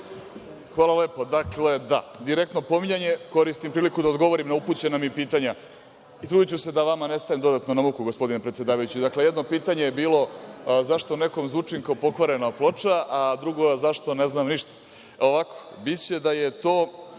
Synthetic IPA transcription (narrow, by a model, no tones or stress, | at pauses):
xʋaːlaleːpod̪akle̞d̪a̰d̪iɾe̞k̚t̪no̞po̞miɲaɲe̞ko̞ɾist̪impɾiːlikud̪aod̪ɡo̞ʋo̞ɾimnauput͡ɕe̞namipiːt̪aɲa | it̪ɾuːd̪it͡ɕuse̞d̪aʋamane̞st̪aʋemd̪o̞d̪at̪no̞namukuɡo̞spo̞d̪inepɾet̪se̞d̪aːʋajut͡ɕid̪akle̞jed̪no̞piːt̪aɲejebiːlo̞zaʂt̪one̞ko̞mzʋut͡ʂiŋkaopo̞kʋaɾe̞naplˠot͡ʂaʔad̪ɾuɡozaʂt̪o̞ne̞znamniʃt̪ḁ | o̞ʋako̥ | bit̪t͡ɕe̞d̪aje̞t̪o̞ː